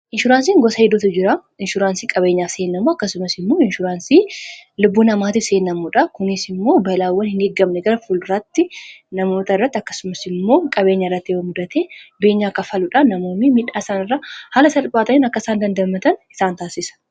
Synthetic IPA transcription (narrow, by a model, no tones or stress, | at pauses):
ʔɪnʃʊɾaːns̬iːŋɡɔsɐɛd̪ʊt̪ʊd͡ʒɪɾɐ | ɪnʃʊɾaːnsiːkʼɐbe̞ːɲːaːfseːnːɐmuɐkːɐsʊmɐsɪmːo̞ːɪnʃʊɾaːnsiːlʊbːuːnɐmaːt̪ɪfse̞ːnːɐmuᶑɐkʊnɪsɪmːo̞ːbɐlaːwːɐnhɪnɡeːɡːɐmnɛɡɐɾɐfʊlrɐt̪ːɪnɐmo̞ːt̪ɐɪrːɐt̪ːɪɐkːɐ̥sʊmɐsɪmːo̞ːkʼɐbe̞ːɲːɐɪrːɐt̪ːɪwɐmʊd̪ɐt̪eːbe̞ːɲːaːkːɐfɐlʊᶑɐnɐmo̞ːmːɪmɪᶑaːɪsaːnɪrːahaːlɐsɐlbʼaːt̪ɐnɪːnɐkːɐɪsaːnd̪ɐnd̪ɐmɐt̪ɐnɪ̥saːnt̪aːsɪsɐ̥